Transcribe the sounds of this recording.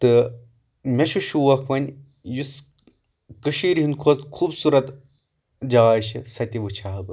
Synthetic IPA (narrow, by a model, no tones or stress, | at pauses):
t̪ɨ | mʲɐʃuʃuʋɐkʰʋɐnʲ | jus | kɨʃiːɾiɦinkʰot̪kʰuːbsuɾɐt̪ | d͡ʒaːjʃisɐt̪iʋɨt͡ʃʰɐɦɐbɨ